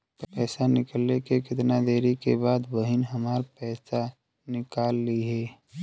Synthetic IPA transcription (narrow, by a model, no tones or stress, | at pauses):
pɛːsanɪkəlekekɪt̪nad̪eːɾikebaːd̪bəɦɪnɦəmaːɾpɛːsa | nɪkaːlːiɦɛː